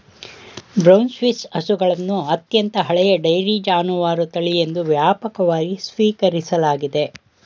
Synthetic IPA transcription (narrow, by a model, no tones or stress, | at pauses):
bɾɐwnsʋisɐsuɡɐɭɐnːuɐt̪jɐnt̪ɐɦɐɭɛjɐɖɐjɾid͡ʒaːnuʋaːɾut̪ɐɭie̞nd̪uʋjaːpɐkɐʋaːɡisʋiːkɐɾisɐlaːɡid̪e̞